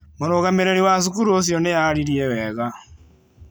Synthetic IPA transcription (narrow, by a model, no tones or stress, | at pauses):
moɾoɣameɾeɾiwas̬ukuɾuos̬jɔnejaɾiɾiɛwɛɣa